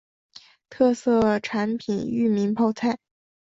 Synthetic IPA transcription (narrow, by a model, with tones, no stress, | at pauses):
t̪ʰɤ˥˧sɤ˥˩ʈ͡ʂʰa˧˥npʰi˨˩ny˥˩mi˧˥npʰɑ˥˧ʊt͡sʰa˥˩ɪ